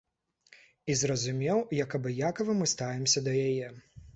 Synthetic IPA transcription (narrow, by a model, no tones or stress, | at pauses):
izrɐzumʲɛwjɐkɐbɨjakɐvɨmɨst̪avʲɛmsʲɐd̪ɐjajɛ